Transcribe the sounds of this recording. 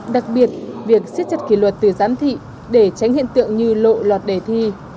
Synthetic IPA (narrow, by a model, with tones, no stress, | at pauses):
ɗa˨˩k̚ɓi˨˩ət̚vi˨˩ək̚si˦˥t̚t͡ɕə˨˩t̚ki˧˩lwə˨˩t̚t̪ɨ˨˩zaː˨˦mt̪ʰḭ˧˨ | ɗe˧˩t͡ɕa˨˦jŋ̟hḭ˧˨nt̪ɨ̰˧˨əŋɲɨ˧lo̰˧˨lwaː˨˩t̚ɗe˧˩t̪ʰi˧